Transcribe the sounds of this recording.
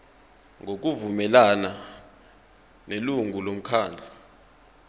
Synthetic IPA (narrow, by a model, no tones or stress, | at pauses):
ŋok̬uvumɛlana | neluŋulom̩kʰaːnd͡ɮʱḁ